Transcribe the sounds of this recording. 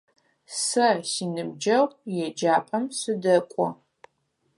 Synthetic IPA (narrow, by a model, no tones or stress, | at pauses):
sɐsiːnɨbd͡ʒɐwjɛd͡ʒaːpʼɐmsɨdɐkʷʼɔ